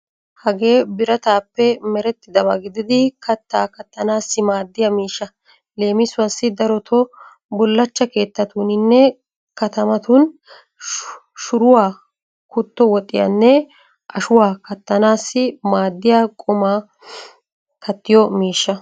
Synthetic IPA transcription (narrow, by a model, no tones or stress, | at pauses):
hɐɡe̞ːbɪɾɐt̪aːpːɛmɛɾɛt̪ːɪd̪ɐβɐɡɪd̪ɪd̪ɪkʰɐt̪ːaːkɐt̪ːɐnaːsːɪmaːd̪ːɪjɐmiːʃːɐ | le̞ːmɪsʊwɐsːɪd̪ɐɾɔt̪ʰɔ | bʊlːɐt͡ʃːɐke̞ːt̪ːɐt̪unɪnːɛ | kɐt̪ɐmɐt̪un | ʃʊɾʊwaː | kʊt̪ːɔwɔt̪ʼːɪjɐ̰nːɛ | ʔɐʃʊwaːkɐt̪ːɐnaːsːɪmaːd̪ːɪjaːkʼʊmaː | kɐt̪ːɪjɔmiːʃːɐ